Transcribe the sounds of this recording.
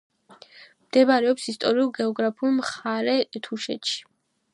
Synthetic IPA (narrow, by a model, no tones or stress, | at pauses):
md̪̥ɛbaɾɛɔpsist̪ʼɔɾiulˠɡɛɔɡɾapʰulˠmχaɾɛt̪ʰuʃɛ̰t̪ʃi̥